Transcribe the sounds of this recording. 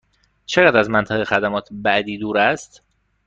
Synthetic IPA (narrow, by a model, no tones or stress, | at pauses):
t͡ʃʰeɣæːd̪ɾæzmænt̪ʰæɣexæd̪æmɒːt̪ʰbæd̪iːd̪uːɾæst̪